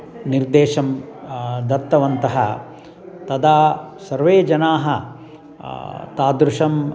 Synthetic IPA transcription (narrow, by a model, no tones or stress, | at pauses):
niɾd̪eːʃɐm | d̪ɐt̪ːɐʋɐnt̪ɐɦɐ̰ | t̪ɐd̪aːsɐɾʋeːd͡ʒɐnaːɦɐ | t̪aːd̪ɾuʂɐm